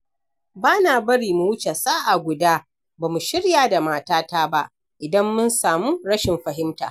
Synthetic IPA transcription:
baː˦naː˨bɐ˦ɽiː˨mu˨wʊ˦t͡ʃe˨saː˦ʔa˨ɡʷʊ˨daː˦ | baː˨mu˨ʃɪ˦ɽjaː˨da˨maː˦taː˦taː˦ba˦ʔ | ʔɪ˨dɐ˦mːʊ˦nsaː˨muː˦ɽɐ˦ʃɪ˨mɸɐ˨ɦɪ˦mtaː˨

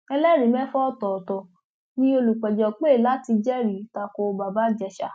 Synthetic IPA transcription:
ɛ˧lɛ˦˨ɾĩ˨˦mɛ̃˦fɔ˦tɔ˨tɔ˨ | nĩ˦o˧lu˨k͡pɛ˨d͡ʒɔ˨k͡pe˦˨la˦ti˧d͡ʒɛ˦ɾi˨˦ta˧ko˧ba˨ba˦d͡ʒɛ˧ʃa̰˧˨

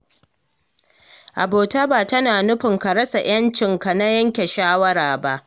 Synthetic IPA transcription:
ʔa˨boː˨ta˦baː˨tɐ˦naː˨nʊ˦ɸɪ˨ŋkɐ˨ɾɐ˦sa˨j̰ɐ˦nt͡ʃɪ˨ŋka˨na˦jɐ˦ŋkʲe˨ʃaː˦wɐ˦ɾaː˨ba˦ʔ

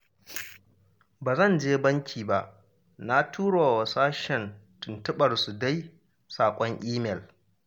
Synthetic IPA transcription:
baː˨zɐ˦˨nd͡ʒeː˦bɐ˦ŋkʲʰiː˨ba˨ʔ | na˦tʰuː˦ɽo˨wa˨saː˦ʃɛ˨ntʊ˨ntʊ˦ɓɐ˨rsu˨da˦j | saː˨kʷʼɔ˦ŋʔiː˦mɛ˨l

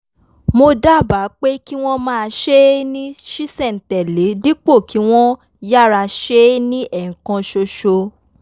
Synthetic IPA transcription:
mo˧da˦˨ba˨˦k͡pe˦ki˦w̃ɔ̃˦mãː˦˧ʃe˦nĩ˦ʃi˦sɛ˦˨n̩˨tɛ˨le˨˦di˦k͡po˦˨kʰi˨˦w̃ɔ̃˦ | ja˦˨ɾa˧ʃe˦nĩ˦ʔɛ˨ŋ̩˨kã˧ʃo˧ʃo˧

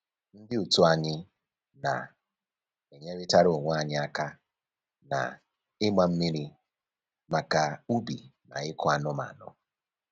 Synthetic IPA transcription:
n̩˦dɪ˦u˨tu˦a˨ɲɪ˦ | na̰˨ | e˨ɲe˦ɾɪ˦ta˦ɾo˦˨ŋʷ˦a˨ɲɪ˦a˦ka˦ | na̰˨ | ɪ˦ma˦m̩˦mi˦ɾi˦ | ma˨ka˨u˦bḭ˨na̰˨ɪ˦kɔ˦a˨nʊ˦ma̰˨nʊ̰˦

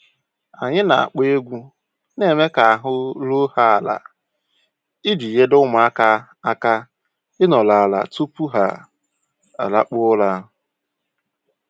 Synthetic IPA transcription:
a˨ɲɪ˦na˨a̰˨k͡pe˦e˦ɡʷu˦ | ne˨me˦ka˨a˨ɦʊ˦lo˦ha˦a˨la̰˨ | ɪ˦di˨je˦dʊ˦mʊ˨a˦ka˦ | a˦ka˦ | ɪ˦nɔ˨la˨la̰˨tu˦pu˦ɦa̰˨ | a̰˨la̰˨k͡pʊ˦la˦ɦ

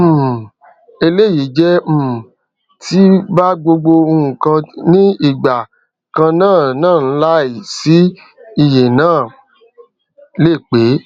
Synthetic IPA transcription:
e˧le˦˨ji˨˦d͡ʒɛ˦m̩˦˨ | tʰi˦ba˦ɡ͡bo˧ɡ͡bo˧o˧ũ˨kã˧nĩ˦i˦˨ɡ͡ba˨ | kã˧nãː˦˨nãː˦˨n̩˦la˦i˨si˨˦ | i˦˨je˨nãː˦˨ | le˦˨k͡pe˨˦

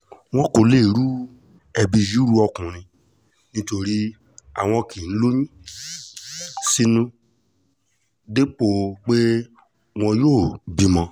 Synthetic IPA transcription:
w̃ɔ̃˦kõ˧le˦˨ɾu˦ | ɛ˧bi˧ju˦ɾu˦ɔ˧kũ˨ɾ̃ĩ˧ | nĩ˦to˧ɾi˦ | a̰˨w̃ɔ̃˧ki˨n̩˦lo˦ɲ̃ĩ˦ | si˧nũ˦ | de˦k͡po˨k͡pe˦ | w̃ɔ̃˧joː˦˨bi˦mɔ̃˧

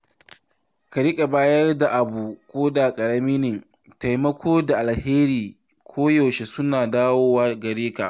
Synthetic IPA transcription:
kɐ˨ɽɪ˦kʼa˨baː˦jɐ˦rda˨ʔa˨buː˨kʷʼoː˦da˨kʼɐ˨ɽɐ˦mi˦nɪ˨ŋ | ta˨jmɐ˦kʷʰoː˦da˨ʔa˨lheː˦ɾiː˨ | kʷʰoː˦jɔ˨wʃe˨sʊ˦naː˨daː˦woː˦wa˦ɡɐ˨ɽeː˦ka˨

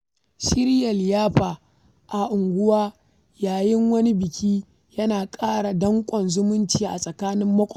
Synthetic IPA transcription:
ʃɪ˦ɾjɐ˨ljaː˦ɸaː˨ | ʔa˨ʔʊ˨ŋɡʷʊ˦waː˦ | jaː˨jɪ˦ŋwɐ˦ni˦bɪ˨kʲiː˦ | jɐ˦naː˨kʼaː˦ɽa˨dɐ˦ŋkʷʼɔ˨nzʊ˦mʊ˦nt͡ʃiː˨ʔa̰˨sʼɐ˨kaː˦nɪ˦mːɐ˦kʷʼɔ˨

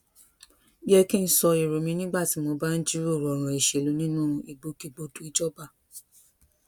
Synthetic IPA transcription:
bi˦ɛ˧kĩ˦n̩˦sɔ˧i˨ɾo˨mĩ˧nĩ˦ɡ͡ba˦˨ti˨˦mo˧ba˦n̩˦d͡ʒi˦ɾo˦˨ɾɔ˨ɾ̃ã˨i˨ʃe˨lu˨˦nĩ˦nũ˦i˨ɡ͡bo˧ke˧ɡ͡bo˧tu˦i˦d͡ʒɔ˦ba˦˨

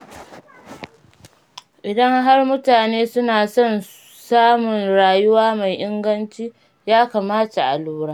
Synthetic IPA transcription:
ʔɪ˨dɐ˦ŋɦa˦rmʊ˦taː˨neː˦sʊ˦naː˨sɔ˦n | saː˦mʊ˨nɽaː˨jʊ˦waː˦ma˨jʔɪ˦ŋɡɐ˦nt͡ʃiː˦ | jaː˦kaː˨maː˦ta˨ʔa̰˨luː˦ɽaː˦

